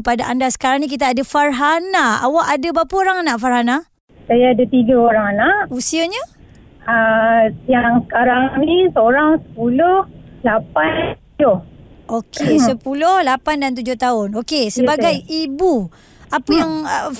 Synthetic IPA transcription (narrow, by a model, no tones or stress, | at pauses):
padaʔandasə̥kaɾaŋnĩk̬it̪̬aːdafarɦanaa̰waʔadabapəoɾaŋanaʔfarɦana | sajaːdat̪iɡəoɾaŋanaʔusiaɲə | əjaŋsə̥kaɾaŋnisəoɾaŋsə̥pulʊhlapanud͡ʒʊhʔokʰesəpulʊhlapandant̪̬ud͡ʒʊht̪aʊnokesəbaɡajibu | apəjaŋə